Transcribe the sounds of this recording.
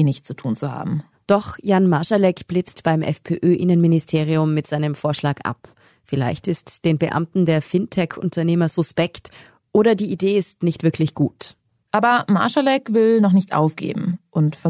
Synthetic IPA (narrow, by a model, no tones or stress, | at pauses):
nɪçt͡sutʰuːnt͡suha̰ːbm̩ | d̥ɔχjanmaʃalɛkb̥lɪt͡stb̥aɪmʔɛ̰fpʰḛːʔøːʔɪnənmɪnɪstʰeːʁ̞iʊmːɪtz̥aɪnəmfoːɐʃlaːkʔa̰p | fɪla̰ɪçtɪstd̥eːnbəʔa̰mtn̩deːɐfɪntʰɛkʰʊ̰ntʰɐneːmɐzʊspɛkt | ʔoːɾɐdiːideːɪstnɪçtv̥ɪɐklɪçɡ̥uːt | ʔaːbɐma̰ʃalɛkvɪlnɔχnɪçtʔa̰ʊfɡ̥ḛːbm̩ʔʊntfɛ